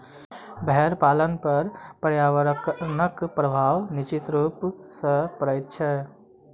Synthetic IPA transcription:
bʱɛɛɾpalənpəɾpəɾjaʋəɾknəkpɾəbʱawnit͡ʃit̪ɾupsə̃pəɾəjt̪̚t͡ʃʰɛ

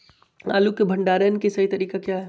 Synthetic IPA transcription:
a̰ːlukebʱəɳɖaːɾjənkesɐɦit̪əɾiːkakjaɦɛ

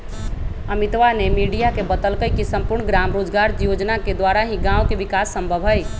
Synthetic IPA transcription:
əmit̪ʋanemiɖijakebət̪əlkəjkisəmpuɾɳɡɾamɾod͡ʒɡaɾd͡ʒjod͡ʒnaked̪ʋaɾaɦĩɡãwkeʋikasːəmbʱəbʱɦəj

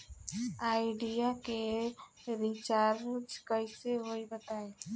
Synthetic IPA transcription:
aːɪɖijake | ɾit͡ʃaːɾd͡ʒkəiseɦoibət̪aːẽː

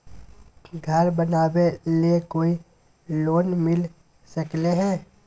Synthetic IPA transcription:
ɡʱɐɾbənaːweliekoːi | loːnmɪl | sɐkleɦɛ̃ː

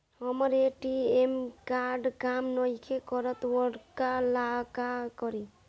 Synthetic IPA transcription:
ɦɔmɔɾeʈiemkaɾɖkamnɔjkʰekɔɾɔt̪wɔɽkalakakɔɾi

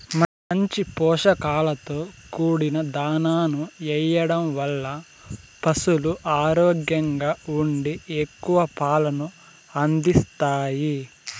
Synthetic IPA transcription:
mɐ | ɐɲt͡ʃipɔːʂɐkaːlɐt̪o̞ːkuːɽinɐd̪aːnaːnuɛjːɐɽɐmʋɐlːɐ | pɐsuluʔaːɾɔːɡjɐŋɡaːuɳɖiekːuʋɐpaːlɐnu | ɐnd̪ist̪aːji

